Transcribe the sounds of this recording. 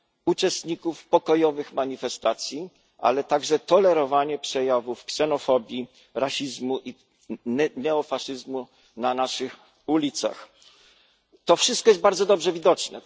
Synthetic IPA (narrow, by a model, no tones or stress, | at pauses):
ut͡ʂɛst̪ɲikufpɔkɔjɔvɘxmaɲifɛst̪at̪sʲji | ʔa̰lɛt̪aɡʐɛt̪ɔlɛɾɔvaɲɛpʂɛjavufksɛnɔfɔbʲji | ɾaɕizmuʔi | nɛɔfaʂɘzmu | nanaʂɘx | ulʲit̪sa̰x | t̪ɔfʂɘst̪kɔjɛzbaɾd̪zɔd̪ɔbʐɛvʲid̪ɔt͡ʂnɛ